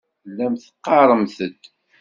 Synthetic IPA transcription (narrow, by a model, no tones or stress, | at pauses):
lːæmθə̥qːɑɾˤəmθəd̪